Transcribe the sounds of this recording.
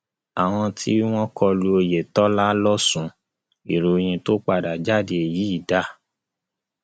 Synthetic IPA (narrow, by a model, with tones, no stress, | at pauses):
a˨w̃ɔ̃˧tʰi˦w̃ɔ̃˦kʰɔ˧lu˧o˧je˨tɔ˦la˦lɔ˦sũ˨˧ | i˨ɾo˨˧j̃ĩ˧to˦k͡pa˦˨da˨d͡ʒa˦˨de˧e˨jiː˨˦i˦˨da˦˨